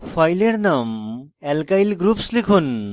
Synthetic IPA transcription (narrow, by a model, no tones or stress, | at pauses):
fʰajleɾnam | ɛlkajlɡɾupslikʰun